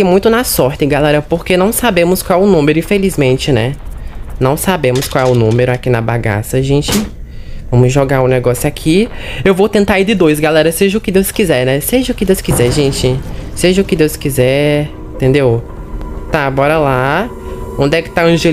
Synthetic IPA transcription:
kɪmũj̃t̪ʊnasɔɾt̪ɪɡalɛɾɐpoɾkenɐ̃w̃sabẽmʊskwawɛʊnũmeɾʊĩfelizmẽnt͡ʃɪnɛnɐ̃w̃sabẽmʊskwawɛʊnũmeɾʊakinɐba̰ɡa̰sɐʒẽt͡ʃɪ | vɐ̃mʊzʒoɡaʊ̃nɛɡɔsjʊakʰiewvowt̪ẽnt̪aid̪ɪd̪ojzɡalɛɾɐseʒɐʊkɪd̪ewskizɛɾnɛseʒɐʊkɪd̪ewskizɛɾʒẽt͡ʃɪseʒɐʊkɪd̪ewskizɛ̃ | t̪ẽnd̪ew | t̪abɔɾɐla | õnd̪ɛkɪ̥t̪aɐ̃ʒe

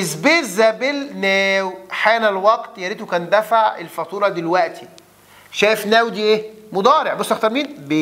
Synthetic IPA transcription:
ʔezbeːzæbelnæːwħæːnælwɑɡt̪jæɾit̪okænd̪æfaʕḛlfɑt̪ˤuːɾˤɑd̪elwæʔt̪i̥ | ʃæːjefnæːwd̪iːʔeːmod̪ˤɑːɾeʕbosˤːɑxt̪ɑmiːnbe

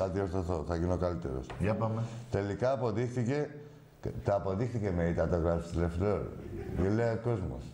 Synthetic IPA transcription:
ɐt̪ioɾθoθo̞θɐɣinokalit̪e̞̰ɾo̰sjɐpamet̪e̞likɐːpo̞ðixθice̞ | t̪ɐːpo̞ðixθice̞meit̪ɐt̪oɣɾɐpsi̥st̪ilefɾoɾjeleoko̞zmo̰s

